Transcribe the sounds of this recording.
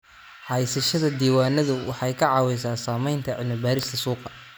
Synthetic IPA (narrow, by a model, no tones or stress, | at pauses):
ħɑjsɐʃɐðɐd̪iːwaːnɐðʊwʔɑ̰ħɑjkʰɐʕɑːwɛjsaːsaːmɛjnt̪ʰɐʕɪlmɪbaːɾɪst̪ʰɐsuːqɑ